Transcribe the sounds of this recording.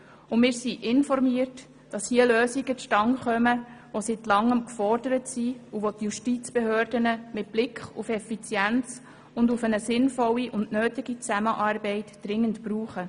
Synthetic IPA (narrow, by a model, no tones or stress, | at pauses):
ʊmɪːɾsiʔɪnfɔɾmiərt | d̥ɑshiəløːsiɡətʃtɑŋχœməʋositlɑŋːəmkfɔrd̥əɾətsiuʋotjuʃtit͡sb̥ehøːrdənəmɪt̚b̥lɪkχṵfɛfit͡sjænt͡s | ʊndufənəsɪnfɔlːiʔʊndnøːtɪɡit͡sæməʔɑːrbɛɪtd̥ɾɪŋːəntb̥ɾuːχə